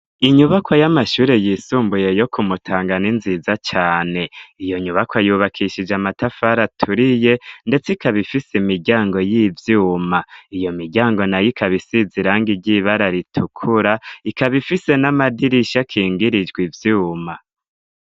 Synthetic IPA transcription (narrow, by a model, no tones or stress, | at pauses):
iɲuβakʰwajamaʃuːɾe̞jiːsuːmbuje̞jo̞kʰumutʰaːŋɡaninzizat͡ʃaːne̞ijo̞ɲuβakwajuːβakʰiʃid͡ʒamatafaɾatʰuɾije̞nde̞t͡sikaβifisimiɟaːŋɡo̞jiːvjuːmaijo̞miɟaːŋɡo̞najikʰaβisiziɾaːŋɡiɟiβaɾaɾitʰukʰuɾaikaβifise̞namadiɾiʃakʰiːŋɡiɾid͡ʒɡwivjuːma